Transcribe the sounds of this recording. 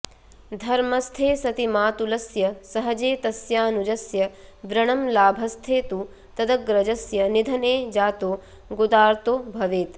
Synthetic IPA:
d̪ʱɐɾmɐst̪ʰeːsɐt̪imaːt̪ulɐsjɐsɐɦɐd͡ʒeːt̪ɐsjaːnud͡ʒɐsjɐʋɾɐɳɐmlaːbʱɐst̪ʰeːt̪u | t̪ɐd̪ɐɡɾɐd͡ʒɐsjɐnid̪ʱɐneːd͡ʒaːt̪oː | ɡud̪aːɾt̪oːbʱɐʋeːt̪

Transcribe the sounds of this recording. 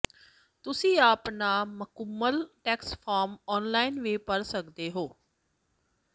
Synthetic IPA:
t̪ʊsĩːaːpnaːməkəmːəlʈɛːkspʰaːɾmɔːnlaːinʋeːpəɾsəkd̪eːɦoː

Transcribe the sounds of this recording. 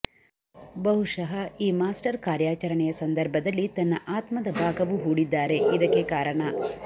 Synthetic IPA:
bɐɦuʂɐɦɐiːmaːsʈɐɾkaːɾjaːt͡ʃɐɾɐɳɛjɐsɐnd̪ɐɾbʱɐd̪ɐlːit̪ɐnːɐʔaːt̪mɐd̪ɐbʱaːɡɐʋuɦuːɽid̪ːaːɾe̞ʔid̪ɐkːekaːɾɐɳɐ

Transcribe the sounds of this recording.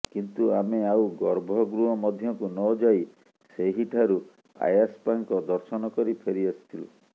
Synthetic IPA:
kint̪uameawɡɔɾbʱɔɡɾuɦɔmɔd̪ʱjɔŋkunɔd͡ʒaj | seɦiʈʰaɾu | a̰jaspaŋkɔd̪ɔɾsɔnɔkɔɾipʰeɾiasi̥t̪ʰilṵ

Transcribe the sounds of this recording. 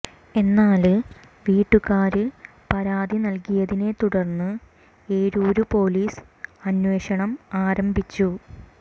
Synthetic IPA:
e̞nːaːlɨ | ʋiːʈːukaːɾɨ | pɐɾaːd̪inɐlkijɐðine̞t̪uɽɐrnːɨ | e̞ːɾoːɾupo̞ːliːs | ɐnwe̞ːɕɐɳɐmaːɾɐmbʱit͡ɕːu

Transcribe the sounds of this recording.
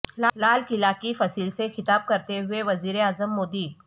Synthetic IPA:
lalaːlkɪlakifɐsiːlsexɪt̪aːb̚kɐɾt̪eɦʊeʋɐziːɾeaːzəmːoːd̪iː

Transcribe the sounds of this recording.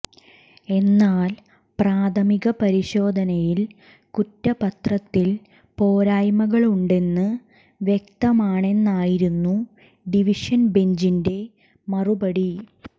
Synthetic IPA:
e̞nːaːl | praːt̪ʰɐmiɣɐpɐɾiɕo̞ːd̪ʱɐnɐjil | kutːɐpɐt̪rɐt̪ːil | po̞ːɾaːjmɐɣɐɭuɳɖe̞nːɨ | ʋjek̚t̪ɐmaːɳe̞nːaːjiɾunːu | ɖiʋiʂɐnbe̞ɲd͡ʑinde̞ | mɐrubɐɽi

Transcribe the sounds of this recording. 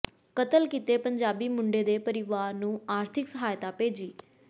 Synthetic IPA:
kət̪əlkit̪eːpəɲd͡ʒaːbiːmʊ̃ɳɖeːd̪eːpəɾɪʋaːɾnũːaːɾt̪ʰɪksəɦaːjt̪aːpeːd͡ʒiː

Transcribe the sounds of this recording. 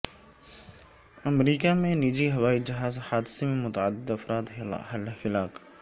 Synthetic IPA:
ɐmɾiːkamẽniːd͡ʒiɦɐʋaːid͡ʒɐɦaːzhaːd̪ɪsemẽmʊt̪ɐʕəd̪ːɪd̪ɐfɾaːt̪ɦɦɐlfɪlaːk

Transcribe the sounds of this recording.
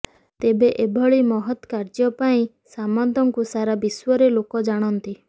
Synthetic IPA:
t̪ebeʔebʱɔɭimɔɦɔt̪kaɾd͡ʒɔpaĩ | samɔnt̪ɔŋkusaɾabiswɔɾelokɔd͡ʒaɽ̃ɔnt̪i

